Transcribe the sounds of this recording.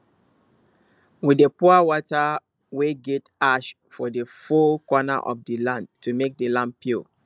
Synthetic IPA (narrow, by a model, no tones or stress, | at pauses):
widepuawɔta | weɡɛtaʃ | fɔdefokwɔna̰ʔɔ̰fdəlãndtʰumek̚dəlãnd̚pʰju